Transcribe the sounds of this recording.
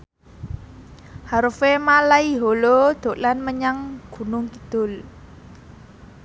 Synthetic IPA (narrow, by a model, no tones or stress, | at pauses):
haɾufemalaiɦolod̪̥o̤ʔlanməɲaŋɡ̥ṳnʊŋkid̪̥ʊ̤l